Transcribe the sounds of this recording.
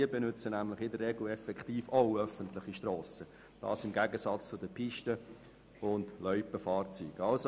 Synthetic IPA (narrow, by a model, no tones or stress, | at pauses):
iəbɛnʏt͡sənæmlɪχɪdərːɛɡl̩ɛfɛkχtiːfoʊœfəntlɪχiʃtrɔːsə | d̥ɑ̰ːsɪmɡæɡəsɑt͡st͡sʊdəpʰiʃtə | ʊndlœʏpəfɑːrt͡sy̰ːɡ̥ɑlso